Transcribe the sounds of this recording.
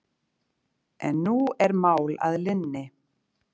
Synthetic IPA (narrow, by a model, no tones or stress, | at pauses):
ɛnːuɛɾmaːwla̰ðlɪnːɪ